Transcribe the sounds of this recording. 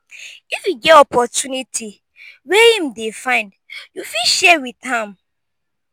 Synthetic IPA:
ifjuɡɛɔpʰɔtunitʰi | wɛhĩmdefãɪ̃ndjufiʃɛwiθãm

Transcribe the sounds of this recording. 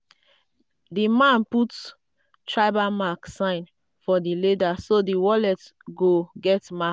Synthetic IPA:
dimãnput | tɹaɪbamaksãɪ̃n | fɔdiledasodiwɔlɛtɡoɡɛtma

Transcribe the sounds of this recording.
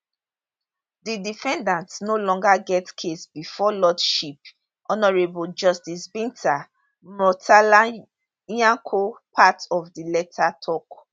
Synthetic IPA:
didifɛ̃ndãntnolɔ̃ŋɡaɡɛtkʰesbifɔlɔdʃip̚ | ʔɔnɔɹebuld͡ʒɔstisbĩntʰa | mɔtala | jãŋkʰopʰatɔvdilɛtʰatʰɔk

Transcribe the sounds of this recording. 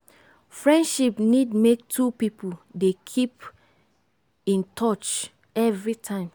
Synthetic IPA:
fɹɛ̃ndʃipnidmek̚tʰupipudekʰip | ĩntʰɔt͡ʃ | ɛvɹitʰãɪ̃m

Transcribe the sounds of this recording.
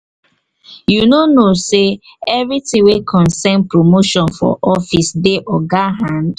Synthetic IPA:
junonose | ɛvitĩwekʰɔ̃nsɛnpɾomoʃɔ̃nfɔ̰ʔɔfisdeʔɔɡaɦãnd

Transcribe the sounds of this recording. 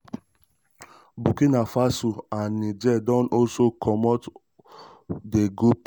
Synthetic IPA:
bukinafasuanĩd͡ʒɛdɔ̃nɔsokʰɔmɔt | deɡop

